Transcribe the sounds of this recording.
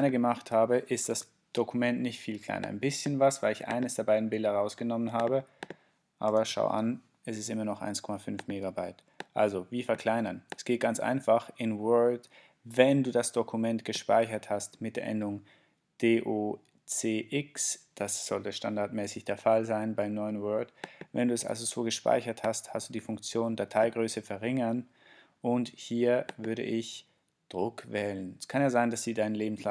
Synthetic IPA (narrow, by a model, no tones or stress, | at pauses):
nɐɡəmaχthaːbəʔɪst̚d̥as | d̥okʰumɛntnɪçtfiːlkl̥a̰ɪnɐʔa̰ɪnbɪsçənvasv̥aɪlɪçʔa̰ɪnəsd̥eːɐbaɪdn̩bɪldɐʁaʊsɡ̥ənɔmənɦaːbə | ʔaːβɐʃa̰ʊʔa̰n | ɛsɪstʔɪmɐnɔχʔa̰ɪnskʰɔmafʏnfmeːɡabaɪt | ʔa̰lzoviːfɛɐkʰl̥aɪnɐnɛsɡ̥eːt̚ɡ̥ant͡sʔa̰ɪnfaχɪnwœɐld | vɛnduːdasd̥okʰumɛntɡ̥əʃpa̰ɪçɐthastmɪt̚d̥eːɐʔɛ̰ndʊŋ | d̥eːʔoː | t͡seːʔɪksd̥asz̥ɔltəʃta̰ndaɐtmɛːsɪçd̥eːɐfalzaɪnbaɪmnɔʏənwœɐdvɛ̰nduːɛsʔa̰lzozoːɡəʃpa̰ɪçɐthasthastd̥uːdiːfʊŋk̚t͡sjoːndatʰaɪɡʁøːsəfɛɐʁɪŋɐn | ʔʊnthiːɐvʏɐɾə̰ʔɪç | d̥ʁʊkvɛːlənɛskʰanjaːzaɪndasz̥iːdaɪnənleːbm̩sla